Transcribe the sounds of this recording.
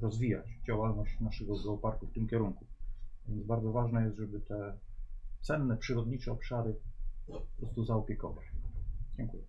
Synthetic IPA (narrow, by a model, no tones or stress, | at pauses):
ɾɔzvʲija̰t͡ɕd͡ʑawalnɔɕt͡ɕnaʂɛɡɔɡɔːpaɾkuft̪ɘmkʲɛɾuŋkuvʲjɛnt̪zbaɾd̪zɔvaʐnɛjɛst̪ʐɛbɘt̪ɛ | t̪sɛnːɛpʂɘɾɔd̪ɲit͡ʂɛɔpʂaɾɘpɔpɾɔst̪uzaɔpʲjɛkɔvat͡ɕd͡ʑɛŋkujɛ